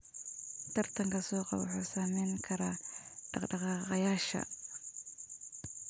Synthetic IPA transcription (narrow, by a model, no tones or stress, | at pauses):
t̪ʰɐrt̪ʰɐŋkʰɐsɔːqɑ̰βʊħuːsaːmɛjŋkʰɐɾaːɖ̥ɑqɖɑqɑːqɑjaːʃɐ̰